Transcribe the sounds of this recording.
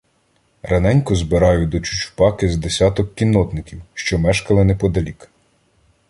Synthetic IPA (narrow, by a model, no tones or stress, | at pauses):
rʔɐnɛnʲkʊzbɪɾɑjʊd̪ɔt͡ʃʊ̥t͡ʃʊ̥pɑkɪzd̪esʲat̪ɔkːʲinːɔt̪nɪkʲiwʃt͡ʃɔmɛʃkɐlˠɪnɛpɔd̪ɐlʲik